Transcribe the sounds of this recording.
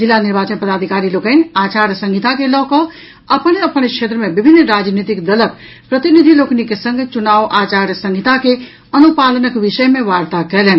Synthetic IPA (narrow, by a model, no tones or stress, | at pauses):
d͡ʒilːaniɾbat͡ʃənpəd̪ad̪ʱikaɾilokənat͡ʃaɾjəsə̃ŋɡʱit̪akelɔkə | əpneəpənkʃʰet̪ɾəmebibʱinːɾad͡ʒnit̪ikd̪ələk | pɾət̪inid̪ʱiloknikesə̃ŋɡʱt͡ʃunaʋʔat͡ʃaɾjəsə̃ŋɡʱit̪ake | ənupalənəkʋiʃəjmeʋaɾt̪akɛlɛn